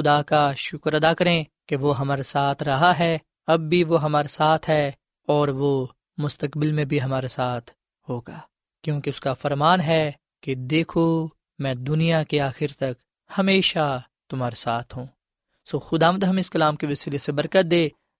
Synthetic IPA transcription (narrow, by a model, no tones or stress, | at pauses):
xʊd̪akaʃʊkɾɐd̪akɐɾẽkeʋoɦɐmaːɾesaːt̪ʰɾɐɦaɦɛ | ɐbːiʋoɦɐmaːɾesaːt̪ʰɦɛ | ɔːɾʋo | mʊst̪əkbɪlmẽbʱiɦɐmaːɾesaːt̪ʰ | ɦoːɡaː | kjõːkeʊskafɐɾmaːnɦɛ | ked̪eːkʰo | mɛ̃ːd̪ʊnijakeaːxɪɾt̪ɐk | hɐmeːʃa | t̪ʊmɦaːɾesaːt̪ʰɦũː | soːxʊd̪aːʋənd̪ɦɐmeɪskɐlaːmkeʋɐsiːlesebɐɾkət̪̚d̪eː